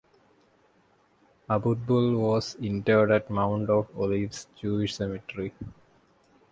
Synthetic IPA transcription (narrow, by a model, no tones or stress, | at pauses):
abud̪̚bulʋɔzĩɳʈəɖæʈmãʊ̃ɳʈɔʋoliʋsd͡ʒuːiʃsɛmiʈɾi